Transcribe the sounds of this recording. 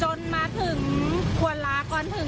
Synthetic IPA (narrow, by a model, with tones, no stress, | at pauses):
o˧nmaː˧t̪ʰɯ˨˩˦ŋkʰu˨˩əlaː˨˦˥kɔː˧nt̪ʰɯ˨˩˦